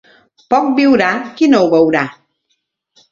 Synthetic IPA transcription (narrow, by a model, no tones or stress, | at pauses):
pɔk̚biwɾakinowβəwɾa